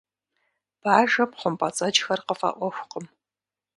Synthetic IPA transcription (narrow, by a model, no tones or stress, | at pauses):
b̥aːʒɐpχʷʊmpʰʼɐt͡sʼɐt͡ʃxɐrqəfɐ̰ʔʷɔxʷqəm